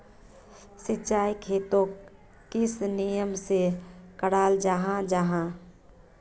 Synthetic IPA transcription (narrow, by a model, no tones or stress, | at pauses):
sɪtːt͡ʃaːikʰeːt̪õ | kɪsnijəmsekəɽaːld͡ʒaɦãd͡ʒaɦã